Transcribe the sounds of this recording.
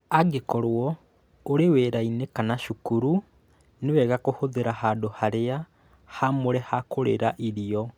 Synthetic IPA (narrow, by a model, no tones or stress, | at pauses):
aɡekɔɾoɔ | oɾeweɾainekanaʃukuɾu | newɛɣakohoðeɾahaːdohaɾea | hamoɾɛhakoɾḛɾaʔiɾiɔ